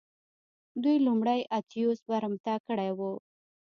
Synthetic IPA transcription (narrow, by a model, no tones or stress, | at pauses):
d̪ujlumɽajʔat̪ijusbaɾmt̪akəɽajwu